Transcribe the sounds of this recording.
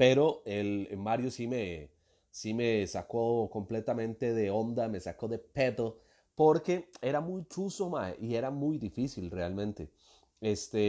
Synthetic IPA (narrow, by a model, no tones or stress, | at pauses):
peɾoelmaɾjosime | simesako̞ko̞mple̞t̪amẽ̞nt̪e̞ðe̞o̞nd̪ame̞sako̞ðe̞pe̞t̪o̞ | po̞ɾke̞eɾamujt͡ʃuso̞maeʔie̞ɾamujd̪ifisilrealmẽnt̪e̞ | est̪e